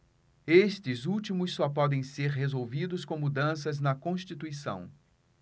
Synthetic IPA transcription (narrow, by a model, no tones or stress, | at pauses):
est̪ɪzuwt͡ʃimʊsːɔpɔd̪ẽj̃seɾɦezowvid̪ʊskõmud̪ɐ̃sɐznɐkõst͡ʃit̪uisɐ̰̃w̃